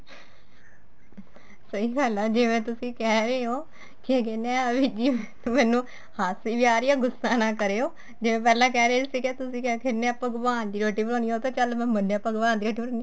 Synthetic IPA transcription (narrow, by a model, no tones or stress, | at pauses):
səiːɡəlaːd͡ʒeːʋɛ̃ːt̪ʊsĩːkɛːɾeːoː | kɪkenɛ̃ːʋid͡ʒiːm | mɛ̃ːnũː | haːsiːʋiaːɾiaːɡʊsːaːnãːkəɾeːɦoː | d͡ʒɪʋẽːp̬ɛːlãːkɛːɾeːt̪sĩːkɛːt̪ʊsĩːkɛkʰɪneaːpəɡbaːnd̪iːɾoːʈːiːpəɾõːniːoːt̪ãːt͡ʃəlmɛ̃ːmənaːpəɡʋaːnd̪iːɾoːʈːiːpəɾõːni